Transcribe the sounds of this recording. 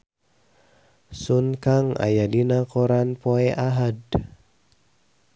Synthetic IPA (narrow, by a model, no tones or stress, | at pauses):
sunkaŋa̰jadinakɔɾanpoɛʔaɦad